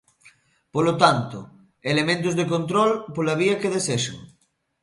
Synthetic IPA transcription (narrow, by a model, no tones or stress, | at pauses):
polot̪ant̪o̰ | elemẽnt̪̬ozðek̬ont̪ɾɔlpolaβ̞iakeð̞eseʃo̰